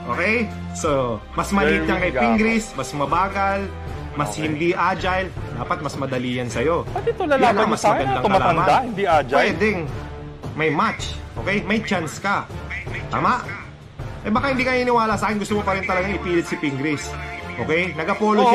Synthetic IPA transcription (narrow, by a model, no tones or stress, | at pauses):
ʔo̰ːkɛj | so | mɐsmɐliːt̪ɐŋkɐjpiŋɡɾɪsmɐsmɐbaːɡɐl | mɐshɪnd̪iʔaːd͡ʒajld̪aːpɐt̪̚mɐsmɐd̪ɐliːjɐnsɐjo̞d̪it̪olɐlalamɐsmɐɡɐnd̪aŋɐaaɐmaahɪnd̪iʔad͡ʒwɛːd̪ɛŋ | mɐjmat͡ʃʔo̞ːkɛjmɐjt͡ʃanskɐt̪a̰ːmɐʔ | ʔɛbaːkahɪnd̪iːkɐinɪwaːlɐsaːkɛnɡʊst̪omopɐɾɪnt̪ɐlɐɡaŋɪpiːlɪt̪sɪpiŋɡɾɪsʔo̞ːkɛjnɐɡɐpo̞ːlo